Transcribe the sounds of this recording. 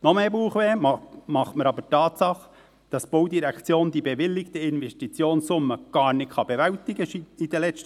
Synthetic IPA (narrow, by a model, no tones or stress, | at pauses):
nɔmeːbuːχʋeːmmɑχtməɾɑbətɑːtsɑχ | d̥ɑsb̥owdiɾɛkt͡sjoːnd̪ibeʋɪlːɪkt̪əɪnvɛstit͡sjoːnssʊmːəɡ̥ɑːɾnɪtχɑbeʋæwtɪɡəʃiid̥əlɛt͡ʃt